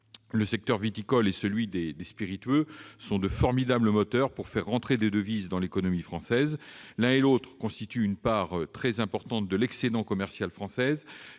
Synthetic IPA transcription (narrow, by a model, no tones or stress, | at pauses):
ləsɛk̚t̪œʁvit̪ikɔlɛsəlɥid̪ed̪espiʁit̪ɥøsɔ̃d̪əfɔʁmid̪abləmɔt̪œʁpuʁfɛʁːɑ̃t̪χed̪ed̪əvizd̪ɑ̃lekɔnɔmifχɑ̃sɛzlɛ̃elot̪χəkɔ̃st̪it̪yːnpaʁt̪χɛzɛ̃pɔʁt̪ɑ̃t̪̚d̪əlɛksed̪ɑ̃kɔmɛʁsjalfχɑ̃sɛz